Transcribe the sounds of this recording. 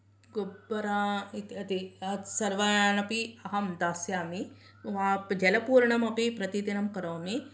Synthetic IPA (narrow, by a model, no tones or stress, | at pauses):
ɡobːɐɾait̪ɐt̪iɐsɐɾʋɐanɐpiɐɦɐmd̪aːsjaːmi | ʋad͡ʒɐlɐpuːɾɳɐmɐpipɾɐt̪id̪inɐmkɐɾɐːmi